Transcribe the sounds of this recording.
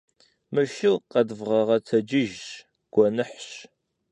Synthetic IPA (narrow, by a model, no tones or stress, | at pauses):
mɨʃɪlqɐdvʁɐʁɐtʰɐd͡ʒɪʒɕ | ɡ̥ʷɔnɨħɕ